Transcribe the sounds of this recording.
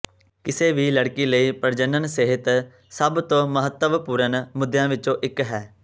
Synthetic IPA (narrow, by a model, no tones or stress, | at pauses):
kɪseːʋiːləɽkiːləiːpəɾd͡ʒənːənsɪɦɪt̪ | səbt̪õːməɦət̪ːəʋpuːɾənmʊd̪jãːʋɪt͡ʃõːʔɪkɦɛː